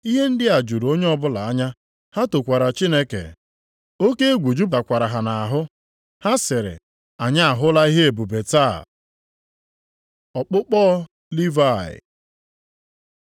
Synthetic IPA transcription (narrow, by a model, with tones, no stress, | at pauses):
i˦ɦe˦n̩˦dɪ˦a˨d͡ʒu˨ɾo˦ɲe˦ɔ˦bʊ˦la˨a˦ɲa˦ | ha˦to˨kʷa˨ɾa˨t͡ʃi˦ne˦kḛ˨ | o˦ke˦e˦ɡʷu˨d͡ʒu˦ba˨kʷa˨ɾa˨ɦa˨na˨a˨ɦʊ˦ | ha˦sɪ˨ɾɪ̰˨ | a˨ɲa˦a˨ɦʊ˦la˦i˦ɦe˦e˨bu˨be˨ta˦˨ | ɔ˨k͡pʊ˦k͡pɔː˦ | li˦va˦˨ɪ̰˨